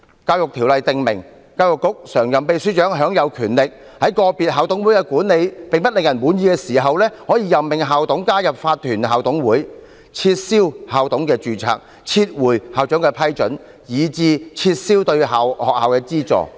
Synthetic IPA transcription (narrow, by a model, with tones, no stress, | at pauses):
kaː˧wjʊ˨k̚t̪ʰiː˨˩wlɐ˨jt̪ɪ˨ŋmɪ˨˩ŋ | kaː˧wjʊ˨kːʊ˨˥k̚sœː˨˩ŋjɐ˨mpe˨jsy˨˥t͡ʃœː˨˥ŋɦœː˨˥ŋjɐ˨˧wkʰyː˨˩nlɪ˨k̚ | hɐ˨˥jkɔː˧pi˨t̚ɦaː˨˧wt̪ʊ˨˥ŋwuː˨˥jkɛː˧kuː˨˥nle˨˧jpe˨ŋpɐ˥t̚lɪ˨ŋjɐ˨˩nwuː˨˥njiː˨˧kɛː˧siː˨˩ɦɐ˨wlɛː˥hɔː˨˥jiː˧jɐ˨mmɪ˨ŋɦaː˨˧wt̪ʊ˨˥ŋkaː˥jɐ˨p̚faː˧t̪̚ʰyː˨˩nɦaː˨wt̪ʊ˨˥ŋwuː˨˥j | t͡sʰiː˧t̚siː˥whaː˨˩wt̪ʊ˨˥ŋkɛː˧t͡ʃyː˨˧t͡sʰa̰ː˧˨k̚ | t͡sʰiː˧t̚wuː˨˩jhaː˨wt͡ʃœː˨˥ŋkɛː˧pʰɐ˥jt͡ʃɵ̰˨˥n | jiː˨˧t͡siː˧t͡sʰiː˧t̚siː˥wt̪ɵ˧ɥɦaː˨˩whɔː˨k̚haː˨wkɛː˧t͡siː˥t͡sɔ̰ː˨˩